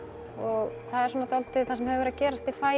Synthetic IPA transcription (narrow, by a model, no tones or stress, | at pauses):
ɔɣθaðɛɾsɔːnat̪ʰɔlt̪ːɪθansɛmhɛvvɛɾaðcɛːɾast̪ifaːj